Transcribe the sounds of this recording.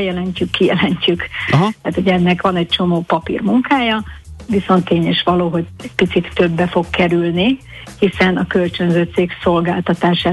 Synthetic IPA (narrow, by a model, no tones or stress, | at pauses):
jɛlɛɲcykːijɛlɛɲcykt̪aːt̪oɟɛnːɛkʋɒnɛc̚t͡ʃo̞moːpɒpḭrmuŋkaːjɒʋiso̞nt̪ːeːɲeʃʋɒloːɦo̞ɟɛc̚pit̪sit̪ːø̞bːɛfo̞kkɛɾylni | hisɛnɒkølt͡ʃø̞nzøːt̪seːkso̞lɡaːlt̪ɒt̪aːʃaː